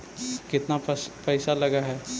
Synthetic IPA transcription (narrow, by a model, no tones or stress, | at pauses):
kɪt̪nappɛːsalɐɡaɦɛː